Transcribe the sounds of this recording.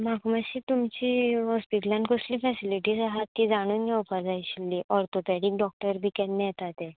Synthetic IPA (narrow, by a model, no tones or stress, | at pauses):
makʰumaɕiːt̪umt͡ɕiːɦɔspiʈljãnkosliːfɛsiliʈisaɦat̪ːid͡zaɽ̃uːnɡaupad͡zajɕilːiʔɔɾt̪opɛɽik̚ɖɔk̚ʈəɾbʱiːkɛnːejɛt̪at̪e